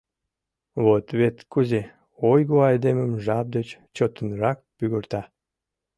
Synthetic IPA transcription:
βot̪βet̪kuze | ojɣoɑjd̪eməmʒɑp̚d̪et͡ɕt͡ɕot̪ənrɑk̚pyɣərt̪ɑ

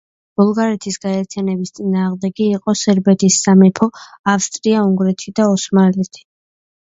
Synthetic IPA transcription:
b̥ulˠɡaɾɛt̪ʰisɡ̥aɛɾt̪ʰijanɛbist̪sʼinaːʁmd̪ɛɡiːqʼɔsɛɾbɛt̪ʰisːamɛpʰɔafst̪ʼɾiauŋɡɾɛt̪ʰid̪aɔsmalɛt̪ʰi̥

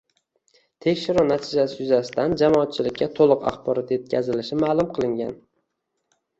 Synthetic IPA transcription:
t̪ʰe̞kʲʃɪɾunat̪ʰɪd͡ʒasɪjʊzasɪ̥d̪and͡ʒamɒːt̪̚t͡ʃʰɪlɪkʲːat̪ʰolˠɨqɑ̰χbɒɾɒt̪je̞t̪̚kʲʰazɪlɪʃɪmaːlˠʊmqʰɨlˠɪŋɡʲa̰n

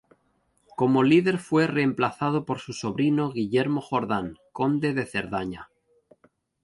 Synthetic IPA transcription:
ko̞mo̞liðe̞ɾfwe̞re̞ːmplaθað̞opo̞ɾsuso̞βɾino̞ɣiʎe̞ɾmo̞xo̞ɾðaŋko̞nd̪e̞ðe̞θe̞ɾðaɲa̰

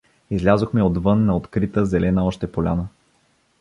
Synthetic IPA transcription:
izlʲazoxmɛod̪vɤnːɐot̪kɾit̪əzɛlʔɛnəɔʃt̪ɛpolʲa̰nə

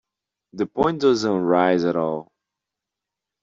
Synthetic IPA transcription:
ðəpɔ̃ɪ̃n̚dʌzə̃nɹaɪzəɾɔlˠ

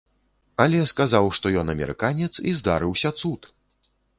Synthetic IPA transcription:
alʲɛskazawʂt̪ɔjɔnɐmʲɛ̰ɾɨ̰kanʲɛt̪sizd̪a̰ɾɨwsʲɐt̪sut̪

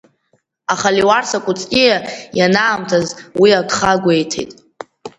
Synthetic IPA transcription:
aχaliwarsakʷʼut͡sʼkʲʼijajanaːmtʰazwiakʰʼχaɡʷejtʰḛjtʼ

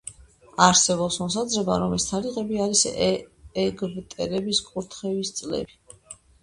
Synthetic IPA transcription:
aɾsɛβɔpsmɔsad̪zɾɛba̰ɾɔmɛst̪ʰaɾiʁɛbiaɾis | ɛɡvt̪ʼɛɾɛbiskʼuɾt̪ʰχɛvist̪sʼlɛ̰bi

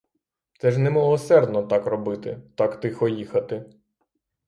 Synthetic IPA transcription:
t̪sɛʒnɛmɪlˠɔsɛrd̪nɔt̪akrɔbɪt̪ɪ̰t̪akt̪ɪxɔjixɐt̪ɪ

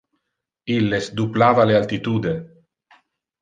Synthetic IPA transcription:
ilːesd̪uplaːvalealt̪it̪uːd̪e

